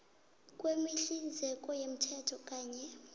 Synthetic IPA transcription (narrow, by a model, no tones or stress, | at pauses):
kʼwemiɬind͡zʱɛk̬ʼɔjem̩tʰɛtʰɔkʼaːɲɛ